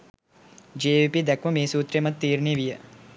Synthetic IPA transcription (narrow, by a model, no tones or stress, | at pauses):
d͡ʒeːʋipid̪ɐkʋɐmeːsuːt̪ɾemɐt̪̚t̪ːiːɾɳiʋijɐ